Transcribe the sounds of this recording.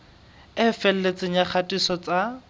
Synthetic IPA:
ɪfɛl̩let͡sʼɪɲak͡xʰatʼisɔt͡sʼa

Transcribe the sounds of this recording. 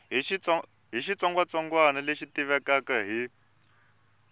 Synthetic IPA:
ɦiʃit͡sɔŋɡwat͡saŋɡwanaleʃitiβɛkakaɦi

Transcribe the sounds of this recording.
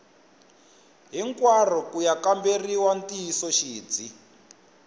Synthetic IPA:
ɦiŋkwar̤ɔkujakamberiwantiisɔʃiːd͡zi

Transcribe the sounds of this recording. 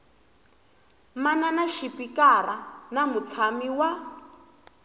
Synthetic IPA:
mananaʃipikaɾanamut͡sʰamiwa

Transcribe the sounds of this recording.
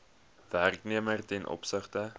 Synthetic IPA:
værkniəmərtɛnʔɔ̰psəχtə

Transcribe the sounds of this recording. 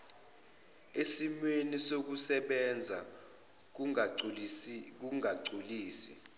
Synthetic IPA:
esimwenisok̬usɛɓɛnd͡zʱa | k̬uŋaǀuliːsi̥

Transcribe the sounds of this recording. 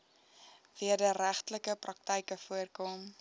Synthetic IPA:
viərdəɾæχtləkəprɐk̚təjkəfuərkɔm

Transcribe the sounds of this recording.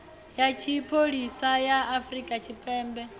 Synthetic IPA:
jat͡ʃʰipʰoɺisajaːfɾikʼat͡ʃʰipʼɛːmbɛ

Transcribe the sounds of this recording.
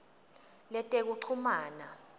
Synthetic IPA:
lɛtʼek̬uǃʰumaːna

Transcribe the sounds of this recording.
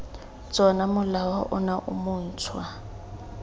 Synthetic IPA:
t͡sʼɔnamʊlawɔ̰ʔʊnaʔʊmʊːn̩t͡sʰwa

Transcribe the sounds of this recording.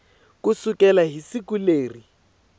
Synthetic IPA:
kʊsukʼɛlaɦisikuleːri

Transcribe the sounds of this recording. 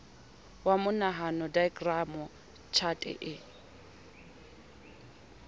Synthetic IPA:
wamʊnaɦanɔdaɪkʼramʊ | t͡ʃʰatʼɛ̰ʔɪ

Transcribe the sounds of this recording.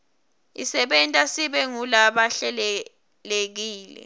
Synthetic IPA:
ḭsɛɓɛntʼasiɓɛŋulaɓaɬɛlɛ | lek̬iːlɛ̰

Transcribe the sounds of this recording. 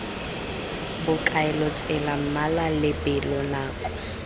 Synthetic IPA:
bʊkʼaɛlɔt͡sʼɛlam̩malalɪbʼɪlɔnaːkʼɔ̥

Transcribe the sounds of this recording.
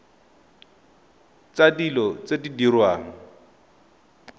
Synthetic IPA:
t͡sadilɔt͡sedidirwaːŋ̩

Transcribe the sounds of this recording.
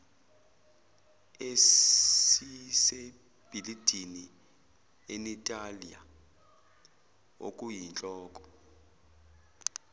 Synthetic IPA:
e | ise | b̥ʱilid̥ʱini | enitʼalia̰ | o̰kʼujint͡ɬʼɔːkʼɔ̥

